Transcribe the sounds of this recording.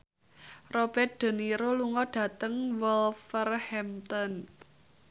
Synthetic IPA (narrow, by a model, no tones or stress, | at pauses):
rob̥ɛt̪̚ɖ̪̥ə̤niɾoluŋɔɖ̥ä̤t̪əŋwɔlfərhɛmt̪ɔn